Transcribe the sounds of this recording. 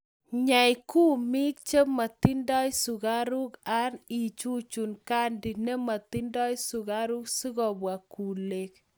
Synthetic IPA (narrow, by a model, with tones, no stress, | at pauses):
ɲa˨jku˦mi˦k̚t͡ʃe˦ma˨ti˦ndɔ˦jsu˨ka˦ɾu˦ka˦ni˨t͡ʃu˦t͡ʃu˨nka˦ndi˨ne˦ma˨ti˦ndɔ˦jsu˨ka˦ɾu˦ksi˦kɔ˨bwa˨ku˨le˨k̚